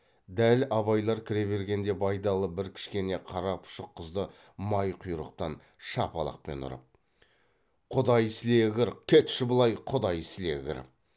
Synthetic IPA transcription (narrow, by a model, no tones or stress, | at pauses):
d̪ælɑβɑjlˠɑɾkʲʰɪɾe̞βe̞ɾɡʲe̞nd̪e̞bɑjd̪ɑlˠəbɪɾkʲʰɪ̥ʃkʲe̞ne̞qʰɑɾɑpʊ̥ʃəqʰːəzd̪ə | mɑjqʰʊjɾə̰q̚t̪ɑn | ʃɑpɑ̰lˠɑ̰q̚pe̞̰nʊ̰ɾə̰p̚ | qʰʊd̪ɑjsle̞ɡʲɪɾkʲʰet̪ʃɪbʊlˠɑjqʰʊd̪ɑjsle̞ɡʲɪ̰ɾ